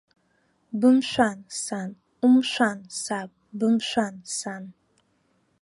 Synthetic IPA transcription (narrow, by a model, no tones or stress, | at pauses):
bɨmʃʷansan | umʃʷansab̚bɨmʃʷansan